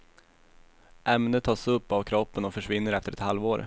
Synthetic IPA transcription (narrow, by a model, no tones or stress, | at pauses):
ʔɛmnət̪ʰːɑːsɵpːavkʰɾɔpːənɔfœʂvɪnːəɾɛft̪əɾɛt̪halvoːɾ